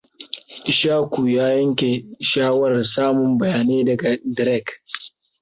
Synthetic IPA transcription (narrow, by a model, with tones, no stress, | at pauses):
ʃaː˦kʷuː˨jaː˦jɐ˦ŋkʲe˨ʃaː˦wɐ˨rsaː˦mʊ˨mbɐ˨jaː˨neː˦dɐ˨ɡa˨dɾɛ˦˨k